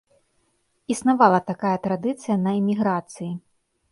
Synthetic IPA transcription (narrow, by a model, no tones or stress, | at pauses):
isnavalˠɐt̪akajɐt̪ɾad̪ɨt̪sɨjɐnɐɛmʲiɣɾat̪sɨji